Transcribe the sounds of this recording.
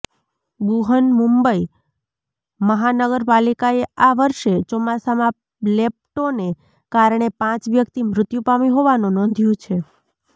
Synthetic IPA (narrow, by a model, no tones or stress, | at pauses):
buɦənmũmbəi | məɦanəɡəɾpalikaeaʋəɾʃet͡ʃɔmasamã | lep̚ʈone | kaɾɳ̃epãt͡ʃʋjəkt̪imɾʊt̪jũpamiɦoʋanũnɔ̃nd̪ʱjũt͡ʃʰe